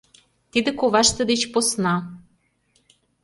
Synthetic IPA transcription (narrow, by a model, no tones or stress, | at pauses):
t̪id̪ĕkoβɑʃt̪ɤ̆d̪et͡ɕposnɑ